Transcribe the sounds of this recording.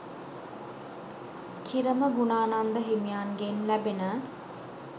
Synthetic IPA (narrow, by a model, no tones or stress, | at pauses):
kʰiɾəməɡunaːnand̪əɦemijaːnɡenlæbenə